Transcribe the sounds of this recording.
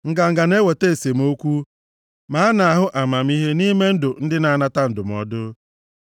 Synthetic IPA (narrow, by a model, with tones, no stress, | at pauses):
ŋ̩˨ɡa˨ŋ̩˨ɡa˨ne˦we˨te˦e˨se˨m̩˦o˦kʷu˦ | ma˨˦a˦na˨a˨ɦʊ˦ʔa˨ma˨m̩˦i˦ɦe˦ni˦me˦n̩˦dʊ˨n̩˦dɪ˦na˨a˦na˦ta˦n̩˨dʊ˨m̩˨˦ɔ̰˨dʊ˦